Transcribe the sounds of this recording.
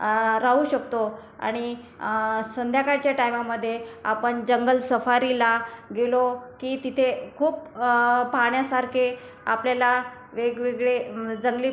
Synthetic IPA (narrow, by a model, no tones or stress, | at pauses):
ɾaɦuɕək̚t̪oa̰ɽ̃i | sənd̪ʱjakaɾt͡ɕjaʈajmaməd̪ʱːjea̰pəɳd͡ʑəŋɡəlsəfaɾilaɡelokiːt̪it̪ʰekʰuːpː | aɳjasaɾkʰe | a̰pljala | ʋeɡʋeɡɭed͡zəŋɡliː